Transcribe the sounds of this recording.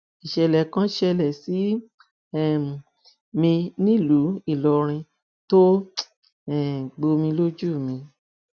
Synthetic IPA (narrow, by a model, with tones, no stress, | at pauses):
i˨ʃɛ˨lɛ˨kã˦ʃɛ˧lɛ˨si˨˦ | ɛ˦˨ | mĩ˧nĩ˦˨lu˨˦i˦˨lɔ˨ɾ̃ĩ˧ | to˦ | ɛ˦˨ɡ͡bo˧mĩ˧lo˦d͡ʒu˦˨mĩ˧